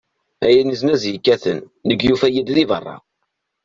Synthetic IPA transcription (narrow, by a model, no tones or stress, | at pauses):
æjəniznæzjikːæθənː | əɡjufæjid̪ðivərˤːɑ̰